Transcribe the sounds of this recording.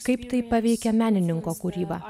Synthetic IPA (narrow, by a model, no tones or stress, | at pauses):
kɐɪpt̪ɐɪpɐʋʲɛɪkʲɛmʲæːnʲɪnʲɪŋkoːkʊɾʲiːbɐː